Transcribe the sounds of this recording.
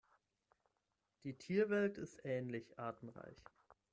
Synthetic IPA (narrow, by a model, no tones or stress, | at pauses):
d̥iːtʰiːɐvɛltɪstʔɛːnlɪçʔaːɐtn̩ʁa̰ɪç